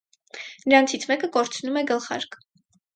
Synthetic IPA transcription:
nəɾɑnt͡sʰit͡sʰmɛkəkɔɾt͡sʰnumɛɡəlχɑ̰ɾkʰ

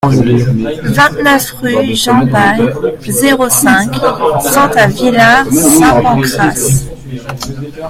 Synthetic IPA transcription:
vɛ̃t̪nœfʁyʒɑ̃d̪ajzeʁosɛ̃ksɑ̃t̪avilaʁsɛ̃pɑ̃kχas

